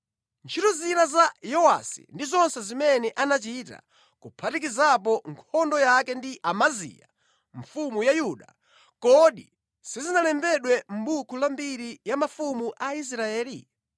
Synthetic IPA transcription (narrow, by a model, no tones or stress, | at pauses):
nt͡ʃʰiɾɔzinazajɔwa̰sḭndizɔnsɛzimɛnɛʔanat͡ʃita̰ | kupʰatik̬izap̬ɔŋkʰɔndɔjakɛndiʔamazḭja̰ | ɱfumujajuːɗa | kɔɗi | sizinalɛmbɛɗwɛm̩ɓukʰulambiɾijamafumuʔais̬ɾaɛːli